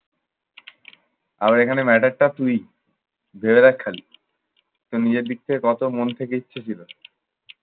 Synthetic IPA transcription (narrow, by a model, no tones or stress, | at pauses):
a̰baɾekʰanemɛʈaɾʈat̪uj | bʱebeɾakʰːali | t̪onid͡ʑeɾb̪ik̚t̪ʰekekɔt̪omont̪ʰekeitːɕʰet͡ɕʰilo